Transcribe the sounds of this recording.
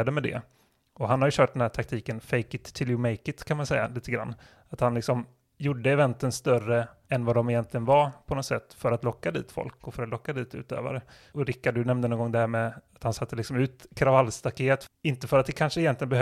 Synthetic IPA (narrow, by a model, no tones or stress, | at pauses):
ad̪əmɛd̪ɛ̰ | ɔɦanhaɾjɵɕœːʈ̚d̪ɖɛnhæːʈʰakt̪ʰiːkənfɛjkɪt̪ʰːɪljʉmɛjkɪt̪kʰanmansɛjːa̰liːt̪əɡɾa̰nː | at̪hanlɪksɔm | jʊɖːəɛvɛnt̪ənst̪œrəɛnvad̪ɔmɪjɛnt̪lɪɡənvapʰɔnɔt̪sɛt̪ːfœɾat̪lɔkːad̪ḭːt̪fɔ̰lkɔfœɾat̪lɔkːad̪iːt̪ʰʉ̟̰ːt̪ø̰ːva̰ɾə | ɔɾɪkːad̪ɵnɛmd̪ənɔnɡɔŋd̪æɾmɛat̪hansat̪ʰːəlɪksɔmʉ̟ːt̪kʰɾavalːst̪akheːt̪ɪnt̪əfœɾat̪̚d̪ɛkʰanʂəɪjɛnlɪɡənbɛ